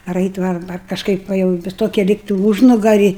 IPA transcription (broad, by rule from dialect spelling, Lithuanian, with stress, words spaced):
ɐr ˈɐɪtʲ ʋɐ ɐr ɐr kɐʃˈkɐɪp ˈʋɐ jɛʊ ʋʲɪs ˈtoːkʲɪ ˈlʲiːktɐɪ ˈuːʒnʊɡɐrʲɪ